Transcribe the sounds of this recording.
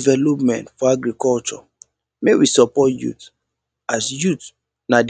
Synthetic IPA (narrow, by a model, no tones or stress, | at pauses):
vɛlopmɛ̃ntfɔaɡɾikɔlt͡ʃɔ̰ | mewisɔpɔtjṵt | asjut | nad